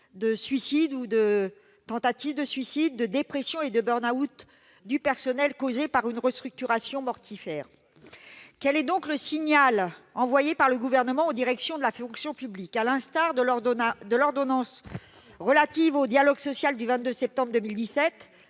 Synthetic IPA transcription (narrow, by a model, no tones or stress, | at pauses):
d̪əsɥisid̪ud̪ə | t̪ɑ̃t̪at̪ivd̪əsɥisid̪ːəd̪epχesjɔ̃ed̪əbœʁnaut̪ | d̪ypɛʁsɔnɛlkozepaʁynʁəst̪χyk̚t̪yʁasjɔ̃mɔʁt̪ʰifɛːʁ | kɛlɛd̪ɔ̃kləsiɲalɑ̃vwajepaʁləɡuvɛʁnəmɑ̃od̪iʁɛksjɔ̃d̪əlafɔ̃ksjɔ̃pyblikalɛ̃st̪aʁd̪d̪əlɔʁd̪ɔnɑ̃s | ʁəlat̪ivod̪jalɔɡsɔsjald̪yvɛ̃t̪̚d̪øsɛp̚t̪ɑ̃bʁd̪əmild̪isɛt̪